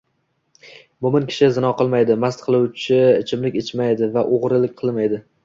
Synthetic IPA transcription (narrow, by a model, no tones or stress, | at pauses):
bʊmɪnkʲʰɪ̥ʃɪzɪnɒqʰɨlˠmajd̪ɪmast̪qʰɨlˠuwt͡ʃʰɪt͡ʃʰɪmlɪkʲet͡ʃʰmajd̪ɪvaʔoʁɾɪlɪk̚ʲqʰɨlˠmajd̪ɪ